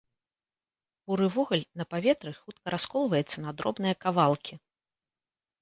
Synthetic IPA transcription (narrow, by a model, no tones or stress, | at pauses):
uɾɨvɔɣulʲnɐpavʲɛt̪ɾɨxut̪̚kɐɾʔaskɔlˠvɐjɛt̪sːɐnad̪ɾɔ̰bnɨjɐkavalˠkʲʰi